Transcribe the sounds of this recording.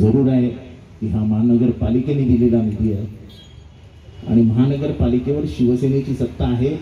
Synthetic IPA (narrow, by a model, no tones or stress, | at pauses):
d͡zəɾuːɾaɦe | kiɦãməɦanəɡəɾpalikened̪ililamid̪ijə | a̰ɽ̃iməɦanəɡəɾpalikeʋəɾɕiʋəsenet͡ɕiːsətt̪ːaːɦe